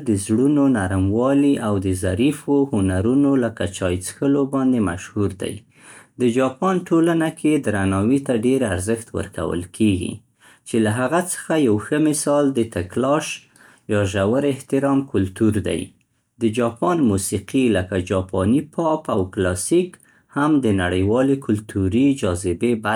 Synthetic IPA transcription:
d̪əzɽunonaɾmwɑliʔawd̪əzaɾifohʊnaɾunoləkat͡ʃɑjt͡sxəlobɑnd̪emaʃhuɾd̪a̰j | d̪əd͡ʒɑpɑnʈolanakʰed̪ɾanɑwit̪aɖeɾaɾzəxt̪wə̰ɾka̰wə̰lkʰeɡḭ | t͡ʃelaɦaɣat͡sə̥xajawxəmɪsɑld̪ət̪aklɑʃ | jɑʒawəɾɪht̪ɪɾɑmkʊlt̪uɾd̪a̰j | d̪əd͡ʒɑpɑnmusiqiləkad͡ʒɑpɑnipʰɑpawklɑsik | hamd̪ənaɽəjwɑlekʰʊlt̪ʰuɾid͡ʒɑzɪbeba

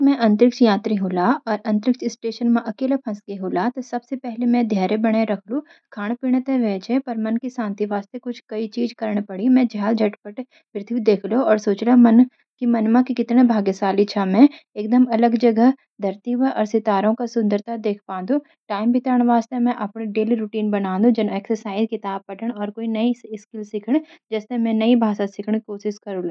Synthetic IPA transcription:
mɛ̃ʔɐ̃nt̪ɾɪk̚t͡ʃjãːt̪ɾiɦuːlaɔːɾɐ̃nt̪ɾɪkt͡ʃɪsʈeːʃənmãʔɐkeːlepʰɐ̃skeɦoːlat̪ɔsɐbsepɛɦlemɛ̃d̪ʱjaːɾebɐɽ̃eɾɐkʰlũ | kʰaːɽ̃piːɽ̃et̪eʋɛːt͡ʃʰepɐɾmɐnkisãːnt̪iʋaːst̪ekʊt͡ʃʰkɐit͡ʃiːd͡ʒkɐɾɽ̃pɐɽimɛ̃d͡ʒʱaːld͡ʒʱɐʈpəʈ | ʋɾt̪ʰid̪eːkʰloɔːɾsoːt͡ʃlamɐn | kimɐnmakikɪt̪nebʱaːɡesaːlit͡ʃʰaːmɛ̃eːk̚d̪əmɐləɡd͡ʒɐɡəɦ | d̪ʱɐɾt̪iʋəʔɔːɾsɪt̪aːɾõkasʊ̃nd̪əɾt̪ad̪eːkʰpãːnd̪ũ | ʈaːɪmbʱɪt̪ɾəɽ̃ʋaːst̪emɛ̃ʔɐpɽ̃eɖeːliɾuːʈiːnbɐnãːnd̪ũd͡ʒɐnɛːksəɾsaːɪzkɪt̪aːb̚pɐʈəɳ̃ɔːɾkoːinɐiɪskɪlsɪkʰəɽ̃d͡ʒɛːst̪emɛ̃nɐibʱaːsasɪkʰəɳ̃koːʃɪskɐɾuloː

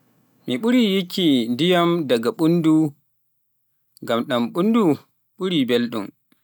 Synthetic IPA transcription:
miɓuɾijikːindijamdaɡaɓundu | ŋɡamɗamɓundu | ɓuɾibelɗum

